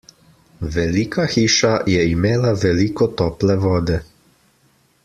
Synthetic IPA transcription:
ʋɛliːkaxiːʃajɛimeːlaʋɛliːkɔt̪ɔːplɛʋɔːd̪ɛ

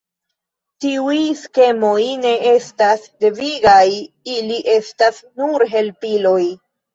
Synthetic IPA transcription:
tiujske̞mo̞jne̞e̞stasde̞viɡaj | iliʔe̞stasnuɾɦe̞lpilo̞j

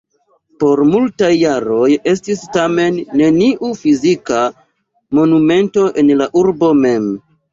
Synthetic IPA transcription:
po̞ɾmultajːaɾo̞je̞s̬tistame̞nːe̞niʔufizika | mo̞nume̞nto̞ʔe̞nlaʔuɾbo̞me̞m

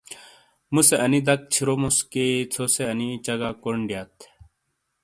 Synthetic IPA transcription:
museɐnid̪ɐk̚t͡ɕʰiɾomusket͡sʰoseɐnit͡ɕɐɡakoɳɖijat̪ʰ

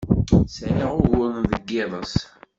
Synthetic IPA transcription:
səʁʊʝʊɾnðəɡːɪðˤəs

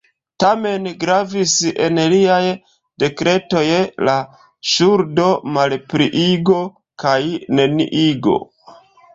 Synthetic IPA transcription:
tame̞nɡɾavise̞nliaj | d̥e̞kɾe̞to̞jla | ʃuɾdo̞malpɾiʔiɡo̞ | kajne̞nḭʔiɡo̞̰

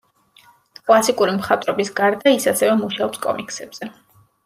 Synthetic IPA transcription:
kʼlˠasikʼuɾimχat̪ʼɾɔbisɡaɾd̪aisasɛvɛmuʃaɔpskʼɔ̰miksɛb̥z̥ɛ

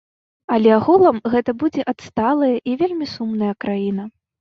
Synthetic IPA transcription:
alʲɛaɣulˠɐmɣɛt̪ɐbud͡zʲɛʔat̪st̪alˠɐjɐʔivʲelʲmʲisumnɐjɐkɾajinɐ

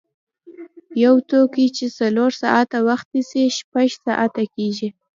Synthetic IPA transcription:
jawt̪okit͡ʃesaloɾsɑʔat̪awaxt̪nisiʃpaʒsɑʔat̪akeʒi

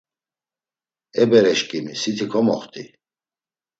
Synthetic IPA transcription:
ɛbɛɾɛʃkʼimisit̪ʰikʰɔmɔ̰χt̪ʼi

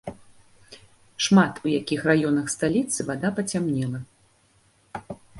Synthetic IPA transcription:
ʂmat̪ʰujakʲixrajɔnɐxst̪alʲit̪sɨvad̪apɐt͡sʲamnʲɛlˠɐ

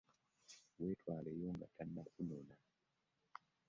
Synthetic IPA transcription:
wetʰwalɛjɔŋɡa̰tʰanːdakunɔna

